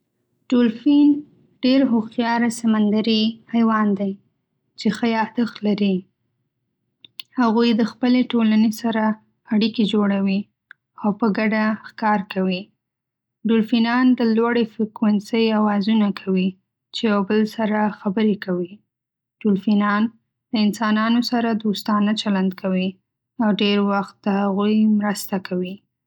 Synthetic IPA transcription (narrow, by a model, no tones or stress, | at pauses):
ɖ̥ulfin | ɖ̥eɾɦoxjɑɾasamand̪aɾihajwɑnd̪aj | t͡ʃexəjɑd̪əxlaɾi | haɣujd̪əxpəleʈolanesaɾa | aɽiked͡ʒoɽawi | awpəɡaɖaxkɑɾkawi | ɖʊlfinɑnd̪əlwaɽefɪkwansəjawɑzunakʰawi | t͡ʃejawbəlsaɾaxabəɾekawi | ɖ̥ʊlfinɑn | ləɪnsɑnɑnosaɾad̪ost̪ɑnat͡ʃaland̪kʰawi | awɖeɾwaxt̪̚d̪əhaɣujmɾəst̪akʰawi